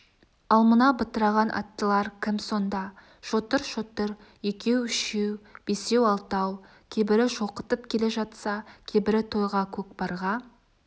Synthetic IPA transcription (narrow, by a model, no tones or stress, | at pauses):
ɑlˠmənɑbət̪əɾɑʁɑnʔɑ̰t̪ːəlˠɑɾkʲʰɪmso̞nd̪ɑ | ʃot̪əɾʃot̪əɾ | je̞kʲʰe̞wʏʃewb̥ese̞wɑlˠt̪ɑw | kʲʰejbɪɾɪʃo̞qət̪əpkʲʰe̞le̞ʒɑt̪sɑkʲʰebɪɾɪt̪ʰo̞jʁɑkʲʰɵk̚bɑɾʁɑ